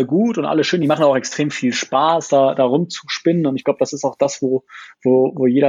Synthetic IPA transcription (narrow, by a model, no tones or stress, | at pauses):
əɡuːtʊntʔa̰ləʃøːnədimaχn̩aʊxɛkstʁ̥eːmfiːlʃpaːsd̥aːd̥aːʁʊmt͡su̥ʃpɪnənʊntɪçɡ̥laʊbədasɪstaʊxd̥asv̥oːvoːvoːjeːɾɐ